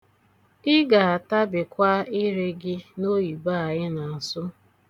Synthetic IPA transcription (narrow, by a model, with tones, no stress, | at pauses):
ɪ˦ɡa˨a˨ta˦bɪ˨kʷa˦ɪ˦ɾe˦ɡɪ˦no˦ji˨ba˦a˨ɣɪ˦na˨a˨sʊ˦